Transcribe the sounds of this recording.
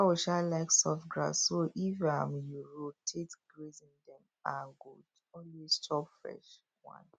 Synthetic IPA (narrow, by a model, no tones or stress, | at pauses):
awɔʃalaɪksɔftɡɹa̰ssoʔifaãmjuɹotʰetɡɹezĩŋdɛ̃m | ãŋɡud | ɔnwistʰɔpfɹɛ̰ʃ | wã̰n